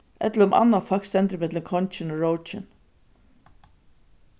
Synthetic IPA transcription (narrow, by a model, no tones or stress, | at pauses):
ɛ̰t̪ləɾʊmʔa̰nːafakst̪ɛnt̪ɾɪmɪt̪lɪkʰɔnt͡ʃɪnoɹowt͡ʃɪn